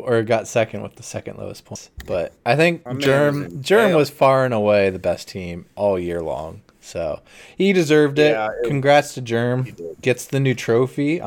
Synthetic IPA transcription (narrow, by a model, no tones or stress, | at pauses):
ə˞ɡɑtsɛkɨ̃ndwə̰ðəsɛkɨ̃n̩ʔlʌ̰ʊɨspʰɔ̃sb̥ʌɾaɪθɪ̃ŋk̚ʒ̥ɜ̃˞md̥ʒ̥ɜ̃˞mwʌz̥fɑɹɨ̃nəweɪðɨbɛstʰĩmʔɔlˠjɪɹlɔ̰̃ŋ | soʊ | hidɨzɜ˞vdɪtkʰɨ̃nɡɹætstʰɨd͡ʒɜ̃˞mɡ̥ɛtsðɨnʉtʰɹ̥oʊfi